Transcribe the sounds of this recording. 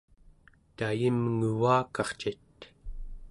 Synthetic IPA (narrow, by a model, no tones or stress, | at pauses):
t̪ajimŋuvaːkɑχt͡ʃit̪